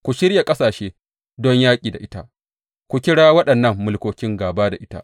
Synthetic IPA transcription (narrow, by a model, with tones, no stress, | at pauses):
kʷu˨ʃɪ˦ɾja˨kʼɐ˦saː˨ʃeː˦ | dɔ˦ɲjaː˦kʲʼiː˨da˨ʔɪ˦ta˦ʔ | kʷu˨kʲɪ˦ɽaː˦wɐ˦ɗɐ˨nːɐ˦˨mːʊ˨lkʷoː˨kʲɪ˦ŋɡaː˨baː˦da˨ʔɪ˦ta̰˦ʔ